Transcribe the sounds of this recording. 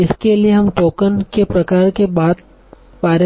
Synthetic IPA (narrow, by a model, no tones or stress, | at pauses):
ɪskelieɦɐmt̪oːkənkepɾɐkaːɾkebaːd̪̚ | paːɾə